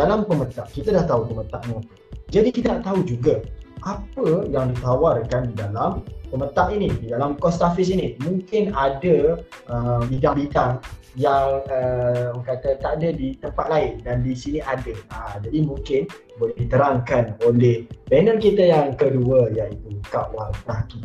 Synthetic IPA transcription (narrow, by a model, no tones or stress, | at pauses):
dalampəmət̪aʔkit̪adaht̪aupəmə̃t̪aʔmu | d͡ʒadikit̪anaʔt̪aud͡ʒuɡaʔapəjaŋdit̪awarkandidalampəmət̪aʔinididalamkɔst̪afis̬inimũŋkɪnadə | əbidaŋbidaŋ | jaŋəkat̪ət̪aʔdədit̪əmpat̪̚laɪndandisiniʔadəəd͡ʒadimũŋkɪn | bolɛhdit̪əɾaŋkanolɛhbɛnə̃nkit̪ajaŋkəduəjaŋit̪ukaʔwaltəɾaki